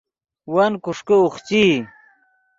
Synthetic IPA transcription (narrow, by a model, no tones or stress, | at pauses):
wankuʂkouχt͡ɕi